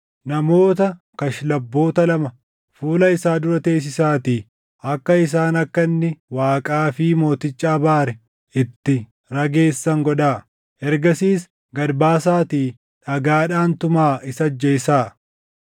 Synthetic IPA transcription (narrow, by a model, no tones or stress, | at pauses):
nɐmo̞ːt̪ɐ | kɐʃlɐbːo̞ːt̪ɐlɐmɐ | fuːlɐɪsaːd̪ʊɾɐt̪e̞ːs̬ɪsaːt̪iː | ɐkːɐɪs̬aːnɐkːɐnːɪwaːkʼaːfɪːmo̞ːt̪ɪt͡ʃʼːaːbaːɾɛ | ɪt̪ːɪ | ɾɐɡe̞ːsːɐŋɡɔᶑaː | ʔɛɾɡɐsiːs | ɡɐɾbaːsaːt̪iː | ᶑɐɡaːᶑaːnt̪ʊmaːɪsɐd͡ʒːɐɪsaː